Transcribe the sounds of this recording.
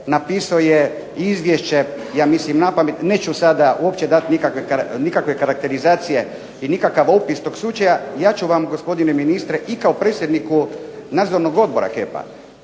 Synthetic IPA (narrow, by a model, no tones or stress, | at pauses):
napiːsaoje | izʋjeʃt͡ɕe | jaːmislimnapamet̪neːt͡ɕusad̪auo̞pt͡ɕed̪at̪nikakʋekanikakʋe̞kaɾak̚t̪e̞ɾizaːt̪sije̞ | inikakaʋo̞pist̪o̞ɡslut͡ʃajajaːt͡ʃuʋamɡospo̞d̪ineminist̪ɾeʔikaopɾeːt̪sjed̪nikunaːd̪zo̞ɾnoɡo̞d̪̚boɾa̰kepa̰